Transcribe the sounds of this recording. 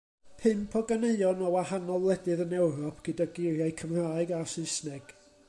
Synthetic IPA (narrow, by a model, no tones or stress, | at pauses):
pʰɨmpʰɔɡaneɨɔnɔwahanɔlˠlˠɛdɨðənɛwɾɔpʰɡ̥ədaɡɪrjajkʰəmraːɨɡasɪsnɛɡ̥